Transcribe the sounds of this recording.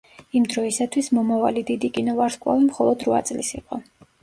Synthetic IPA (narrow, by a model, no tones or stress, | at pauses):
imd̪ɾɔisat̪ʰwismɔmavalid̪id̪ikʼinɔvaɾskʼwa̰vimχɔlˠɔd̪ɾva̰t̪sʼlisḭqʼɔ